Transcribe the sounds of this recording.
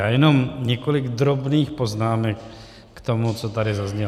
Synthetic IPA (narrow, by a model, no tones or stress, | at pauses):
ajɛnomɲɛkolɪɡd̪ɾobniːxpoznaːmɛkː | t̪omut͡sot̪adɪzazɲɛ